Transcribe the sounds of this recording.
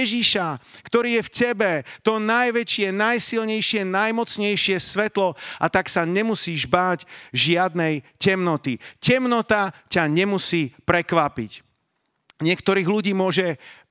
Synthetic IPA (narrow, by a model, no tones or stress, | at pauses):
ɛʒiʃakt̪ɔɾiːjɛfcɛbɛt̪ɔnajʋɛt͡ʃɪɛnajsilɲɛjʃɪɛnajmɔt͡sɲɛjʃɪɛsʋɛt̪lɔʔat̪aksaɲɛmusiːʒbaːɟʒɪad̪nɛjcɛmnɔt̪icɛmnɔt̪acaɲɛmusiːpɾɛkʋapḭc | ɲɪɛkt̪ɔɾiːɣluɟiːmʊɔʒɛ